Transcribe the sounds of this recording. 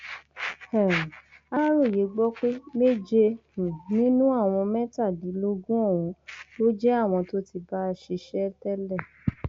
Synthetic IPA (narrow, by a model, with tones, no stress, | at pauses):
hɛ˦˨a˦ɾo˦˨je˨˦ɡ͡bɔ˦k͡pe˦me˦d͡ʒẽ˧˨nĩ˦nũ˦a˦˨w̃ɔ̃˧mɛ̃˦ta˦˨di˨˦lo˦ɡũ˦ɔ˦˨w̃ɔ̃˧lo˦d͡ʒɛ˦a˦˨w̃ɔ̃˧to˦ti˧ba˦ʃe˧ʃɛ˦tɛ˦lɛ˦˨